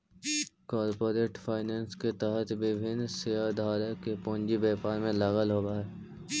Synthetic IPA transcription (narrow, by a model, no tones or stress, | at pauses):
kɔːɾpoːɾeːʈfʰaːɪnẽːnsket̪ɛɦət̪ʋɪbʱɪnsejad̪ʱaːɾekepõːnd͡ʒibɛːpaːɾmẽlaːɣəlɦoːɡaɦɛː